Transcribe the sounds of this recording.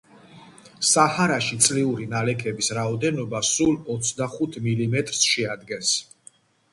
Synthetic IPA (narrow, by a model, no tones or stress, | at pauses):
sahaɾaʃit̪sʼliuɾinalɛkʰɛbisɾaɔd̪ɛnɔbasulɔt̪sʰd̪aχut̪ʰmilimɛt̪ʼɾsʃɛad̪ɡɛns